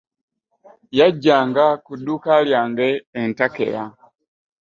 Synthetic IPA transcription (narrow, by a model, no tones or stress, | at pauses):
jaɟːaːŋɡakudukaljaːŋɡeːntakḛɾa